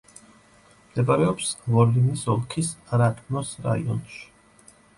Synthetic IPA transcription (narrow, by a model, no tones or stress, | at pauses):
md̪ɛbʼaɾɛɔpsvɔlinisɔlˠkʰisɾat̪ʼnɔsɾa̰ḭɔ̰nʃi̥